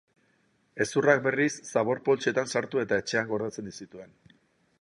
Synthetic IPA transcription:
e̞surak̚be̞risːaβ̞o̞ɾpo̞lt͡ʃe̞t̪ansaɾt̪ue̞t̪ae̞t͡ʃe̞aŋɡo̞ɾðet͡se̞nd̪isit̪ue̞n

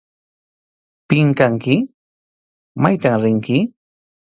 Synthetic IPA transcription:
pɪŋkaŋkɪ | majt̪amɾɪŋkɪ

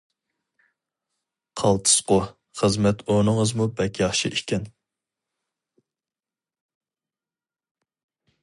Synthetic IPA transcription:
qʰɑlˠt̪ʰɨ̥sqo | χəzmɛt̪ʰonɨŋəzmubɛkʲjɑχʃḭʔikʲɛn

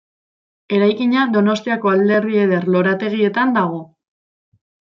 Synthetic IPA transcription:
e̞ɾajkiɲad̪o̞no̞st̪iako̞ald̪e̞rβie̞ðe̞rlo̞ɾat̪e̞ɣ̞ie̞t̪and̪aɣ̞o̞

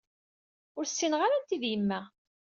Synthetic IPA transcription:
ʊɾsːinʁaɾænt̪iðjəmːæ

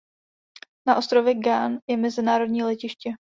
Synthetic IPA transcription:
naʔo̞st̪ɾovjɛɡanjɛmɛzɪnaːɾo̞dɲiːlɛcɪʃcɛ

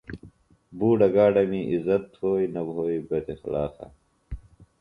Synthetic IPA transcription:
buːɖɐɡaːɖɐmiʔizɐt̪ːʰhoːinɐbʱoːibɐt̪exlaːsɐ̰

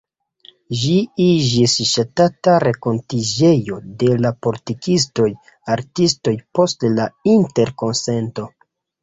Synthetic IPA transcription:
ʒiid͡ʒisʃatataɾeko̞ntid͡ʒe̞jo̞de̞lapo̞litikʰis̬to̞j | aɾtisto̞jpo̞stlainte̞ɾko̞nse̞nto̞

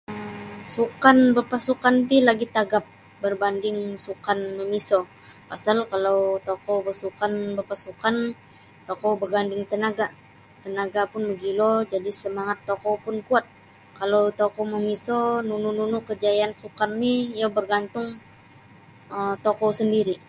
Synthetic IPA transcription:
əsukanbərpasukant̪̬ilaɡit̪aɡap̚ | bərbandɪŋsukanməmisɔ | pasalkalawt̪okɔbəsukanbərpasukan | t̪ɔkɔbərɡandɪŋt̪ənaɡa | t̪ənaɡapʊnməɡilɔd͡ʒadisəmaŋat̪ːokɔwpʊnkuat̪̚ | kalowt̪okɔməmisɔnunununʊkəd͡ʒajansukanːijabərɡant̪ʊŋ | əmt̪okɔsəndiɾi

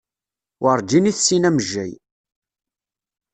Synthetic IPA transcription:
wəɾˤd͡ʒiniθsinæməʒːæj

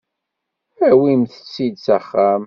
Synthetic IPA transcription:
æwimθə̥t͡sːid̪sæχːæm

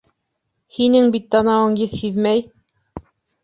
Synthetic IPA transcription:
hinɘŋbit̪̚ːɑnɑwɤɴjɘθhiðmæj

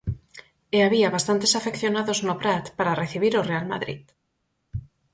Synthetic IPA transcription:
eaβiaβast̪ant̪esafekθjonaðoznopɾat̪paɾareθiβiɾorealma̰ðɾḭð

